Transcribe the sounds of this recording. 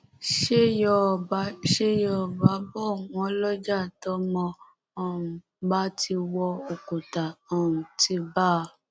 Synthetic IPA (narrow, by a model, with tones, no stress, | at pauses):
ʃe˦jɔ˦˨ba˨˦ʃe˦jɔ˧˦ɔ˨ba˨˦bɔ˦˨wɔ̃˧ɔ˦lɔ˦d͡ʒa˦˨tɔ˦mɔ̃˧ | ɔ˨u˨ | ba˦ti˧wɔ˧o˨ko˨ta˨ɔ˨ũ˨ti˧˦ba˦˧˨